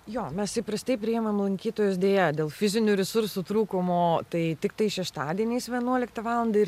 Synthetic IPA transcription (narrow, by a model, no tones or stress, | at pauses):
joːmʲɛssɐɪpɾɐst̪ɐɪpʲɾʲɪɛmɐmlˠɐŋʲkʲiːt̪oːjoːsd̪ʲeːjɛdʲeːlˠfʲɪzʲɪnʲuːɾʲɛsʊɾsuːt̪ɾuːkomoːt̪ɐɪt̪ʲɪkt̪ɐɪʃʲɛʃt̪ɑːd̪ʲiɛnʲeːsʋʲiɛnuɔlʲɪkt̪ɐʋɑːlˠɐnd̪ɐɪ